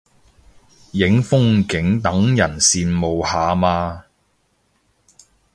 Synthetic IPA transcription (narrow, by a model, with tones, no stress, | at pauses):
jɪ˨˥ŋfʊ˥ŋkɪ˨˥ŋt̪ɐ˨˥ŋjɐ˨˩nsiː˧nmo˨˧whaː˨maː˧